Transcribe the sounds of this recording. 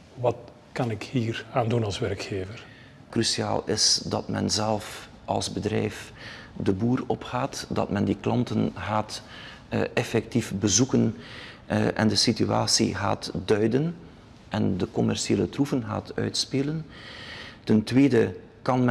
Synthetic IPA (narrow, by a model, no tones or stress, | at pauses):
ʋɑt | kɑnɪkhiːraːndunɑlˠsʋɛrkxeːvər | krysia̰ːlˠɪsdɑtmɛ̰nzɛlˠf | ɑ̰lˠzbədrɛjfdəbuːrɔpxaːtdɑ̰tmɛndiklɑntənɣaːt | ɛfɛk̚tifbəzukən | ʔɛ̰ndəsitya̰ːsḭɣa̰ːtdœɥdən | ʔɛndəkɔmɛrsieːlətrufənɣa̰ːtʰœ̰ɥtspeːlən | təntweːdə | kɑnm